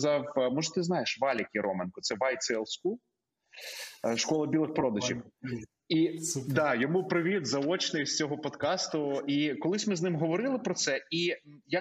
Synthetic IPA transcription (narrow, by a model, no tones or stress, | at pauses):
zɑwmɔʒɛt̪ɪzn̪ɑjeʃʋɑlʲɐkʲiɾʔɔmenkɔt̪sɛʋɑjt̪sɛlˠsʲku | ʃkɔlˠɐbʲilˠɪxpɾɔd̪ɐʒʲiw | id̪ɑjɔmupɾɪʋʲid̪zɐɔt͡ʃnɪjsʲt͡sʲɔɦɔpɔd̪kɑst̪ʊikɔlˠɪsʲmɪznɪmɦɔʋɔɾɪlˠɪpɾɔt̪sɛi | ja